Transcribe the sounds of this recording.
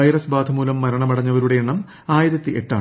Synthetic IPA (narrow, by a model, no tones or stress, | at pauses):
ɐjɾɐsbaːd̪ʰʱɐmuːlɐmːɐɾɐɳɐmɐɽɐɲːɐʋɐɾuɽe̞jeɳːɐm | aːjɐðɐt̪ːiʔe̞ʈːaːɳ